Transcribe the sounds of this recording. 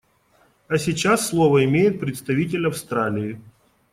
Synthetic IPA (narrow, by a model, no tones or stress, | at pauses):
ɐsʲɪt͡ɕasːlˠovəɪmʲejɪt̪̚pɾʲɪt̪st̪ɐvʲitʲɪlʲɐfst̪ɾalʲɪɪ